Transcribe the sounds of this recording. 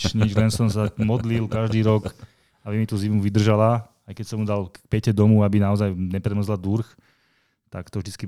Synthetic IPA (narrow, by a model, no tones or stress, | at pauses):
t͡ʃɲiʒlɛnsɔmsamɔd̪lilkaʒd̪iːɾɔk | abimit̪uzimmuʋid̪r̩ʒala | ajkɛcsɔmud̪alk̚pɛcɛd̪ɔmuabinaɔzajɲɛpɾɛmɔzlad̪uɾx | t̪akt̪ɔvʒd̪it͡ski